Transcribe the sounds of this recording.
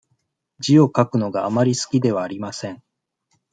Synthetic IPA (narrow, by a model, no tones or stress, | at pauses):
d͡ʑio̞kakɯ̟no̞ɡaamaɾʲisɨ̥kʲid̪e̞βaːɾʲimasẽ̞ɴ